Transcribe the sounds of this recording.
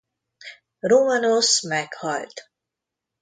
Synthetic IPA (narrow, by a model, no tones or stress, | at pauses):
romanosmɛkhɒlt̪